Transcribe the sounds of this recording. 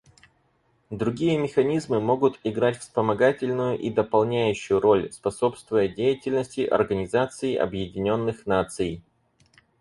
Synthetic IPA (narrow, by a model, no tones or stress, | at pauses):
d̪ɾʊɡʲijəmʲɪxɐnʲizmɨmo̞ɡʊt̪ɪɡɾatʲfspəmɐɡatʲɪlʲnʊjʊʔid̪əpɐlˠnʲæjʉɕːʊjʊɾo̞lʲspɐso̞pst̪vʊjədʲejɪtʲɪlʲnəsʲtʲɪʔɐ̰rɡənʲɪzat̪sɨɪʔɐ̰bjɪdʲɪnʲo̞nːɨxnat̪sɨj